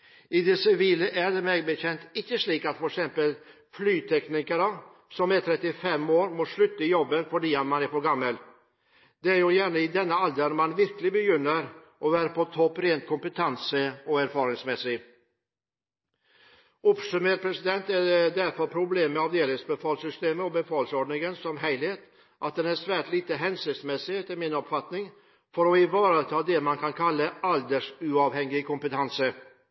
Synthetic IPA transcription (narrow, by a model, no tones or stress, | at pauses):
ɪd̪ɛsɪviːləʔæɖɛmeɡbəçɛnt̪ɪkːəʂliːkat̪fɔɾɛksɛmpəl | flyːt̪ʰɛknɪkəɾə | sɔmæt̪ʰɾɛt̪ːɪfɛmːoːɾmoʂɭɵt̪ːaɪjɔbːənfœɖiːat̪manæɾfɔɾɡamːəl | d̪ɛæɾjʉjæːɳəɪd̪ɛnːəald̪ənmanvɪɾklɪɡbɛjʏnːəɾ | ʔɔvæːɾapʰɔt̪ʰɔpːɾeːnt̪̚kʰɔmpət̪ʰansəɔæɾfɑːɾɪŋsmɛsːɪ | ɔpsʉmeːʈpʰɾɛsɪd̪ɛnt̪æɖɛɖ̪æɾfœɾpʰɾʊbleːməɑʋd̪eːlɪŋsbɛfɑːlsʏst̪eːməɔbəfɑːlsɔɖɳɪŋənsɔmɦæɪlheːt̪ | ʔat̪̚d̪ɛnæɾʂʋæːʈliːt̪əɦɛnsɪt̪smɛsɪɛt̪ːəɾmɪnɔpfat̪nɪŋ | fɔɾɔɪvɑːɾət̪ʰɑːd̪ɛmankʰɑnkʰalːəald̪əʂʉːɑːʋhɛŋːɪkʰʊmpət̪ʰansə